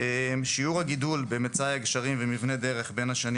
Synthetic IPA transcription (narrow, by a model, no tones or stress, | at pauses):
emʃiuʁhaɡid̪ulbemet͡sajaɡʃaʁimvemivne̞d̪eʁe̞χbe̞nhaʃan